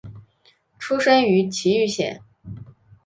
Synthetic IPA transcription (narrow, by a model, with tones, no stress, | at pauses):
ʈ͡ʂʰu˥ʂə˥ny˧˥t͡ɕʰi˧˥y˥˧ɕjɛ̰˨˩˦n